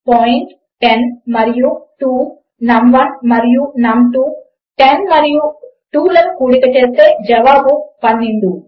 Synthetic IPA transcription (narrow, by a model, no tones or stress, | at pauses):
poːjiɳʈ | ʈenmɐɾijuʈuː | nɐmʋɐnmɐɾijunɐmʈu | ʈenmɐɾiju | ʈuːlɐnukuːɽikɐt͡ʃeːst̪eːd͡ʒɐʋaːbupɐnːeɳɖu